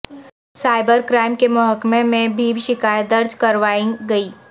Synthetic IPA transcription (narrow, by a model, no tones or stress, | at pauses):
saːɪbəɾkɾaːɪmkemʊɦəkmemẽbʱiːbʃɪkaːjət̪̚d̪ɐɾd͡ʒkɐɾʋaːĩɡɐiː